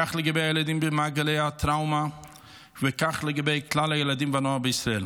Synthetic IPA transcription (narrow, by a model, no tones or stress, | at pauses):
aχlˠəɡəbeajɪlˠadimbɪmaɡɪleɪatɾaʊma | vɪkaχlˠəɡɪbeɪklˠalˠajɪlˠadimvanɔabɪɪsɾɔɛl